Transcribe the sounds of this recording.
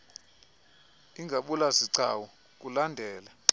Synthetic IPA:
iŋɡʱaɓulaziǀa̰wɔ | k̬ulandʱɛːla

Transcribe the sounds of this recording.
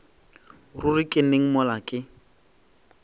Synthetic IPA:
rurikʼɪneŋ̩mɔlakʼɪ

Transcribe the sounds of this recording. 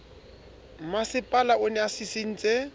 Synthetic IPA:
masɪpʼalaʊnɛasɪseŋ̩t͡sʼe

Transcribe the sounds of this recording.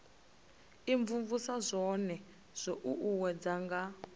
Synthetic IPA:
iɱvuɱvusazʷɔnɛ | z̥ʷɔʔuʔuwɛd͡zaŋɡa

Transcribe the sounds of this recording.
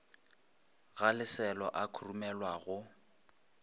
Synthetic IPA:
ɣalɪsɛlɔ̰ʔakʰurumɛlwaɣʊ

